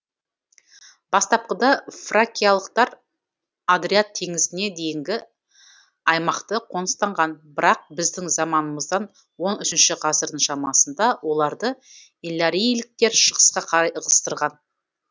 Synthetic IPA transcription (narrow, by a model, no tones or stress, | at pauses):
b̥ɑst̪ɑp̚qəd̪ɑfrakʲijalˠəqt̪ɑɾ | ad̪ɾiat̪ʰːe̞ŋɪzɪne̞d̪e̞jɪŋɡʲɪ | ɑjmɑqt̪əqʰo̞nəst̪ɑɴʁɑnbɪɾɑq̚bɪzd̪ɪŋzɑmɑnəməzd̪ɑn | wo̞nʏʃɪnʃɪqʰɑzəɾd̪əŋʃɑmɑsənd̪ɑwo̞lˠɑɾd̪ə | elˠːaɾijlɪk̚t̪e̞ɾʃəʁə̥sqɑqʰɑɾɑjəʁəst̪əɾʁɑn